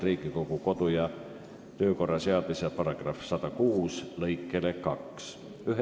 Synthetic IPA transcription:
riːɡiko̞ɡ̥uko̞d̪̥ujɑ | t̪ø̞ːko̞rːɑseɑd̪misɑpɑɾɑɡ̥rɑfsɑd̪̥ɑkuːslɤjkːˑe̞lekɑks | yɦ

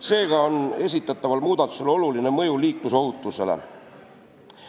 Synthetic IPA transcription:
se̞ːɡ̥ɑone̞s̬ʲit̪ːˑɑt̪ːˑɑvɑlmuːd̪ɑt̪ːˑu̥se̞lo̞luline̞mɤjuliːkluso̞ɦut̪ːˑuse̞̰le̞̰

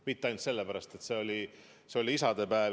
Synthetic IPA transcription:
mit̪ːˑɑjnt̪se̞lːepæɾɑst̪e̞t̪se̞o̞lʲi | seo̞lʲiisɑd̪e̞pæe

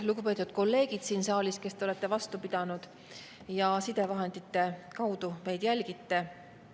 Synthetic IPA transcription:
luɡ̥upe̞ːt̪ːˑud̪̥̚ko̞lːe̞ːɡ̥id̪̥siːnsɑːlʲiske̞st̪eolet̪ˑːe̞vɑst̪upid̪̥ɑnud̪̥ | jɑsid̪̥e̞vɑɦend̪it̪ːˑe̞kɑwd̪̥ume̞jd̪̥jælɡ̥it̪ːe̞

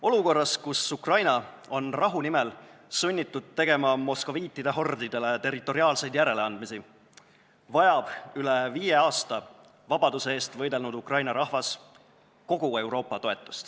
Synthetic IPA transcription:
o̞luko̞rːɑskusukrɑjnɑ | o̞nrɑɦunimɛlsunʲːit̪ːˑud̪̥̚t̪ːe̞ɡ̥e̞mɑmo̞sko̞viːt̪ːid̪̥eɦo̞rd̪̥id̪e̞le̞t̪e̞rit̪ːˑo̞ɾiɑːlse̞jd̪̥jæɾe̞leɑnd̪misi | vɑjɑb̥yle̞viːje̞ɑːst̪ɑ | vɑb̥ɑd̪use̞e̞ːst̪vɤjd̪e̞lnud̪̥ukrɑjnɑɾɑhvɑs | ko̞ɡ̥ue̞wɾo̞ːpːˑɑt̪o̞e̞t̪ːˑu̥st̪

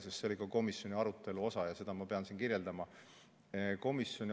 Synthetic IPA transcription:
sest̪seo̞likɑko̞misjo̞nʲiɑɾut̪ːˑe̞luo̞sɑjɑse̞d̪̥ɑmɑpe̞ɑnsinkirje̞ld̪ɑmɑ | ko̞misjo̞nʲi

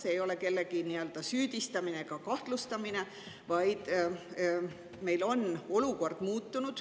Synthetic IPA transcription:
seːjo̞le̞ke̞lːe̞ɡ̥iniø̞ld̪̥ɑsyːd̪̥ist̪ɑmine̞ɡ̥ɑkɑht̪lust̪ɑmine̞ | vɑjd̪̥ | me̞jlo̞no̞luko̞rd̪̥muːt̪ːunud̪̥

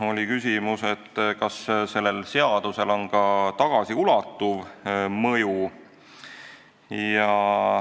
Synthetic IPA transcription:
o̞lʲikysʲimuse̞t̪ːkɑsse̞lːe̞lse̞ɑd̪̥use̞lo̞nkɑt̪ɑɡ̥ɑsiulɑt̪ːuvmɤju | jɑ

